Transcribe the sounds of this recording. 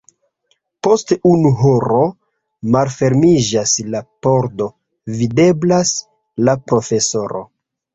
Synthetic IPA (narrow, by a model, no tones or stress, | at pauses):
po̞stunuɦoɾo̞ | malfe̞ɾmid͡ʒaslapo̞ɾdo̞ | vide̞blas | lapɾo̞fe̞so̞ɾo̞̰